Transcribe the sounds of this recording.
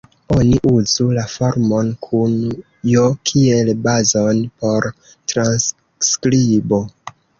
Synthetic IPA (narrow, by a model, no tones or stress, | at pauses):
o̞niʔuzulafo̞ɾmo̞nkʰun | jokʰie̞lbazo̞npo̞ɾ | tɾans | skɾibo